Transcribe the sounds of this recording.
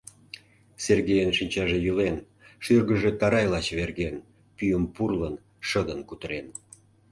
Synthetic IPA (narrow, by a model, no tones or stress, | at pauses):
serɣejənʃinʲt͡ɕɑʒejulen | ʃyrɣəʒe̽t̪ɑɾɑjlɑt͡ɕβerɣen | pyjəmpurlən | ʃəd̪ənkut̪əɾen